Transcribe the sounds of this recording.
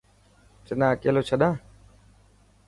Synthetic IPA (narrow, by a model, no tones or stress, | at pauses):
t͡ʃɪnãːkeːloːt͡ʃʰəɗãː